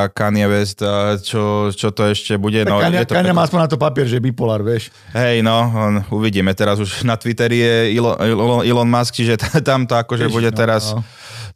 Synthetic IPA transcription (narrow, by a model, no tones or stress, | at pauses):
kanɪɛʋɛst̪t͡ʃɔt͡ʃɔt̪ɔɛʃcɛbuɟɛnaɔaɲjɛt̪ɔaɲamaːaspɔɲnat̪ɔpapɪɛɾʒɛbipɔlaɾʋɪɛʃ | ɦɛjnɔuʋiɟiːmɛt̪ɛɾazuʒnat̪ʋit̪ɛɾijɛilɔɔilɔnmask̚t͡ʃiʒɛt̪t̪amt̪ɔakɔʒɛbuɟɛɛɾas